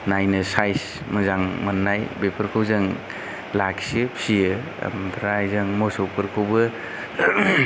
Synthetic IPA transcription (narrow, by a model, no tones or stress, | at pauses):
najnɯsajs | mɯzaŋmanːajbepʰɯɾkʰɯwzɯŋ | laksɯpʰsijɯ̰ | mdʰɾajzɯŋmɔsɔpʰɯɾkʰɯwbɯ